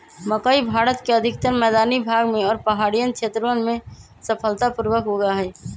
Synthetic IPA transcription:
məkaibʱaːɾət̪keəd̪ʱɪkt̪əɾmɛːd̪aːnibʱaːɡmẽɔːɾpəɦaːɽijənkʃʰeːt̪ɾəənmẽ | səpʰəlt̪apuɾwəkɦoɡaɦɛː

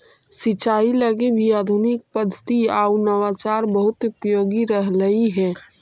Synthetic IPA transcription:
sɪt͡ʃaːiləɡebʱiaːd̪ʱʊnɪk̚pəd̪ʱːət̪iaːunəʋaːt͡ʃaːɾbəɦʊt̪ʊpɾəjoːɡiɾəɦləiɦɛː

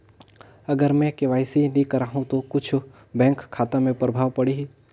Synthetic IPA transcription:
ɐɡəɾmɛ̃keʋaːjsinĩkɐɾaːɦũt̪okʊt͡ʃʰ | bɛ̃ːŋkʰːaːt̪ãmẽpɾɐbʱaːʋpɐɽiɦi

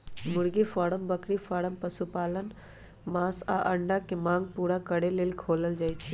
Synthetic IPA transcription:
mʊɽɡifaːɽəmbəkɽifaːɽəmpəsupaːlən | maːsa̰ʔəɳɖakemãːŋɡ̚puːɾakəɽeleːlkʰoːləld͡ʒaːjt͡ʃʰi

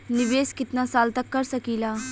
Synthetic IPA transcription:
nɪʋeːskɪt̪naːsaːlt̪əkːəɾsəkiːlaː

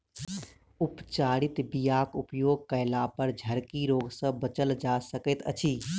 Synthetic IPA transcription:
upt͡ʃaɽit̪bijakupjoːɡ̚kəɪlapəɾd͡ʒʱəɾkiɾoːɡsə̃bət͡ʃəld͡ʒasəkɛt̪ə̰t͡ʃʰiː

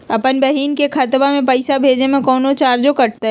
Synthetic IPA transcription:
ɐpənbɐɦiːnkekʰat̪bamẽpɐɪsabʱeːd͡ʒemẽkɔːnot͡ʃaːɾd͡ʒokɐʈ̚t̪a

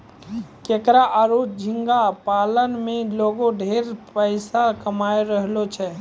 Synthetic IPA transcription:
keːkɾaʔaːɾoːd͡ʒʱɪ̃ŋɡapaːlənmẽloːɡõɖʱeːɾpəɪsakəmaːeɾəɦlot͡ʃʰɛ

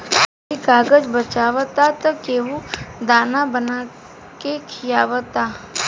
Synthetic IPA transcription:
ikaːɡəd͡ʒbət͡ʃaːʋət̪at̪ɔkeːɦud̪aːnabəna | kekʰijaːʋət̪aː

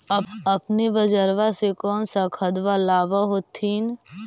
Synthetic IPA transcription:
əbɐpnebəd͡ʒəɾʋasekɔːnsakʰəd̪ʋalaːʋaɦoːt̪ʰiːn

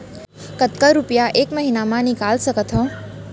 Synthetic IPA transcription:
kət̪kəɾupjaʔeːkməɦinamãnɪkaːlsəkət̪ɦɔ̃ː

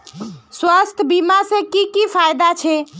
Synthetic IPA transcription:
swast̪ʰəbimasẽkikipʰajd̪at͡ʃʰɛ

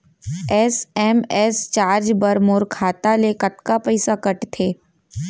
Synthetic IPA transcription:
ɛːsɛːmɛːst͡ʃaːɾd͡ʒbɐɾmoːɾkʰaːt̪alekɐt̪kapɐɪsakɐʈt̪ʰeː

